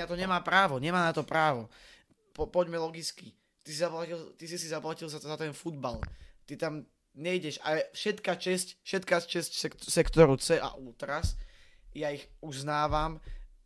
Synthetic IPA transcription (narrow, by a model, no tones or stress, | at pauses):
at̪ɔɲɛmaːpɾaːʋɔɲɛmaːnat̪ɔpɾaːʋɔ | pɔpɔɟmɛlɔɡit͡ski | t̪isizaplacilt̪isisizaplacilzazat̪ɛnfud̪balt̪it̪am | ɲɛiɟɛʃa̰lɛfʃɛt̪kat͡ʃɛscfʃɛt̪kast͡ʃɛscsɛsɛkt̪ɔɾut͡sɛʔa̰ʔuːt̪ɾasjaiɣuznaːʋam